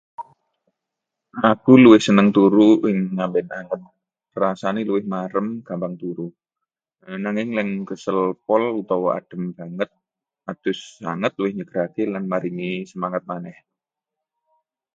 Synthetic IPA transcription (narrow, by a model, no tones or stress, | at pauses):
ʔakuluwɪhsənəŋt̪uɾuʔɪŋːambɛnaŋət̪̚ | rasaniluwɪhmaɾəmkambaŋt̪uɾu | naŋɪŋlɛŋkəsəlpɔlut̪awa̰d̥ə̤mbaŋət̪̚ | ad̪̥ʊsːa̰ŋət̪̚luwɪhɲəɡ̥əɾakelanmaɾiŋisəmaŋət̪̚manɛh